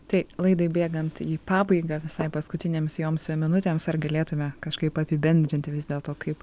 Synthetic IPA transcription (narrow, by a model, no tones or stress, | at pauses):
t̪ɐɪlˠɐɪd̪ɐɪbʲeːɡɐnt̪iːpɑːbɐɪɡɑːʋʲɪsɐɪpɐskʊt̪ʲɪnʲeːmsjoːmsmʲɪnʊt̪ʲeːmsɐrɡɐlʲeːt̪ʊmʲɛkɐʃkɐɪpɐpʲɪbʲɛnʲd̪ʲɾʲɪnʲt̪ʲʋʲɪzd̪ʲeːlˠt̪oːkʰɐɪp